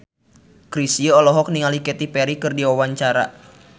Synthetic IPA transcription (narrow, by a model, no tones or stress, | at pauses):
kɾisiəɔlɔɦɔk̚niŋalikɛt̪ipɛɾikɨrdiwawaɲt͡ʃaɾa̰